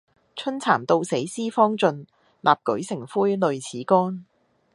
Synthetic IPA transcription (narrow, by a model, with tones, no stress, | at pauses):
t͡ʃʰɵ˥nt͡sʰaː˨˩mt̪o˧wse˨˥jsiː˥fɔː˥ŋt͡sɵ˧n | lʔaː˨p̚kɵ˨˥ɥsɪ˨˩ŋfuː˥jlɵ˨˧ɥt͡sʰiː˨˥kɔː˥n